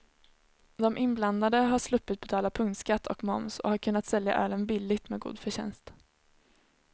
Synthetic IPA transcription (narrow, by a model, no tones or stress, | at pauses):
d̪ɔmʔɪnbland̪ad̪əɦaʂlɵpːɪt̪̚bɛt̪ʰɑːlapʰɵŋt̪skat̪ʰːɔkmɔmsɔ̰haɾkʰɵnːat̪sɛlja̰ʔœːlənbɪlːɪɡt̪mɛːɡṵːd̪fœɕɛ̰nst̪